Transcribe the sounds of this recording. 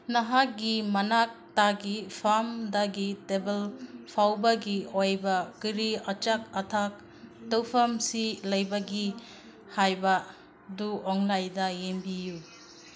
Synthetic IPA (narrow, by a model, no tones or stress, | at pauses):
nɐɦak̚ɡimɐnak̚taɡipʰamdaɡitebelpʰawbɐɡiojbɐkiɾiɐt͡ʃak̚ɐtʰak̚ | tɐwpʰɐmsilɐjbɐɡi | hajbɐ | duɔŋlajdɐjembiju